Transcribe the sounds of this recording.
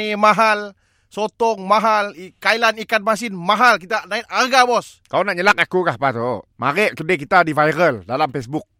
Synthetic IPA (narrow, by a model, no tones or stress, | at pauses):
imaɦal | sot̪ɔŋmaɦalikailanikat̪̚mas̬ɪnmaɦalkit̪anaɪt̪̚arɡabɔs | kaonaʔɲəlak̚akukahpat̪omaɾəʔkədekit̪adivajɾəldalamfɛsbuk̚